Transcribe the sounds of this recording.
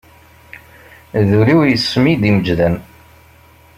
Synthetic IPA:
ðuɾiwjəsːmid̪iməd͡ʒðæn

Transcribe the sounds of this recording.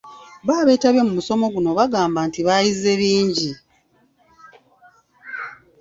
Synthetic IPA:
βaːβe̞ːtaβje̞mumuso̞mo̞ɡuno̞βaɡaːmbantiβajize̞βiːɲɟi

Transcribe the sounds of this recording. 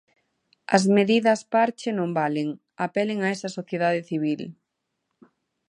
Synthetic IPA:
ɐ̰zmeðiðɐspaɾt͡ʃɪnõmbaleŋ | ɐpelɪŋɐɛsɐsoθjeðaðɪθiβ̞il

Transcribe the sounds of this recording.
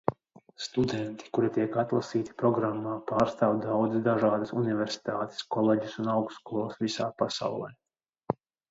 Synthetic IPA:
st̪ud̪ɛnt̪i̥kuɾit̪iɛkat̪lˠasiːt̪i̥pɾɔɡɾamːaːpaːɾst̪aːwd̪awd̪zd̪aʒaːd̪əsunivʲɛɾsi̥t̪aːt̪e̥skɔlˠeːɟisunawkskɔlˠɔːsvisaːpasa̰wlˠɛ̰j

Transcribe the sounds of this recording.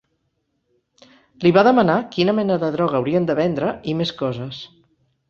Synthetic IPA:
liβaðəmənakinəmɛnəðəðɾɔɣ̞əːwɾiənd̪əβɛnd̪ɾəimeskɔzəs

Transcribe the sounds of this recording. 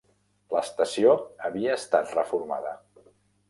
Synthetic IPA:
ləːst̪əsioəβiəːst̪at̪rəfuɾma̰ðə

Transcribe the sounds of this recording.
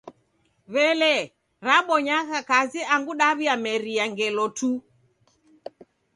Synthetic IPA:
βɛlɛ | ɾaɓɔɲaɣakaziaŋɡuɗaβiamɛɾiaŋɡɛlɔtu

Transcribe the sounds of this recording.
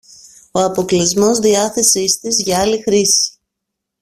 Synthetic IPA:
o̞ɐpo̞klizmo̞zðiɐθe̞sist̪izʝɐɐlixɾisi̥

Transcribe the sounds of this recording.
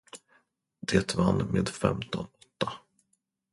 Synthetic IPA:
d̪̥eːt̪vanːmeːd̪fɛ̰mt̪ɔnɔt̪ːa

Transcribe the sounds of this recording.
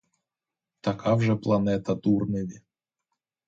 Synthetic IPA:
t̪ɐkavʐɛplˠɐnɛt̪ɐd̪urnɨvʲɪ

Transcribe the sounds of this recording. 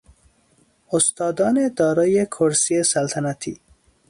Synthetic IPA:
ost̪ɑːd̪ɑːned̪ɒːɾɑːjekʰoɾsiesalt̪ʰanat̪ʰḭː

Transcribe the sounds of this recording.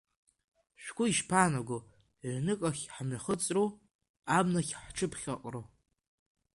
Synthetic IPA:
ʃᶣʷkʷʰʼʊiʃpʰaːnaɡʷo | ʕʷnɨkʼaχʲħmaχət͡sʼru | abnaχʲħʈ͡ʂʰɨpʰχʲaqʼro

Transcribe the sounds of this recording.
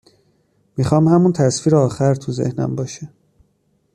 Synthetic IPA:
mixɒːmhæmunt̪ʰæsfiːɾeɒːxæɾt̪ʰuzḛhnæ̰mbɒːʃe

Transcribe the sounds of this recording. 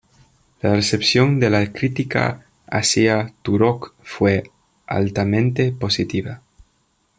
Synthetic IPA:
laresepsjo̞nd̪elakɾit̪ika̰ | a̰siat̪uɾokfwe | a̰lt̪amẽ̞nt̪e̞po̞sit̪iβa

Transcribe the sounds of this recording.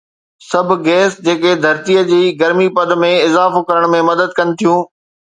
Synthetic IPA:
sɐbʱɪɡɛːsd͡ʑeːked̪ʱɐɾt̪ijəd͡ʑiːɡɐɾmipɐd̪̆ʱmẽɪzaːfokɐɾəɽ̃mẽmɐd̪əd̪̚kɐnɪ̆t̪ʰijũː

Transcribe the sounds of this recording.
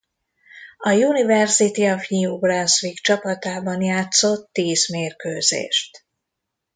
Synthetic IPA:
ɒjunivɛrsit̪iɔvɲiubrɛnsʋikt͡ʃɒpɒt̪aːbɒnjaːt̪so̞t̪ːiːzmeːrkøːzḛːʃt̪

